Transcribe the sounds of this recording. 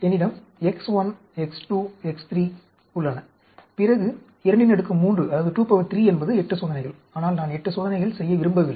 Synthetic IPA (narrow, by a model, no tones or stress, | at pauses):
ɛnːɪɽɐm | ɛksʋɐn | ɛksʈuːɛkst̪ɾiː | ʊɭːɐnɐ | pɪrɐɣɯ | ɪɾɐɳɖɪnɛɽɯkːɯmuːndrɯɐðːɐðɯʈuːpɐʋɐt̪ɾiːɛnbɐðɯɛʈːɯsoːðɐnɛɪɣɐɭ | aːnaːlnaːnɛʈːɯsoːðɐnɛɪɣɐɭsɛjːɐʋɪɾɯmbɐʋɪlːɐ